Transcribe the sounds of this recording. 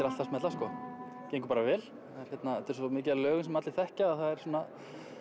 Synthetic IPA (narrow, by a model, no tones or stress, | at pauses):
ɪɾalt̪asmɛt̪laskɔː | cejŋkʏ̥paːɾavɛːl | θaɛɾ̥çjɛt̪naɛt̪ːɛɾsɔmɪːc̬ɪalœːɣʏnsɛmat̪lɪθɛhcaaðθaðɛɾ̥soːna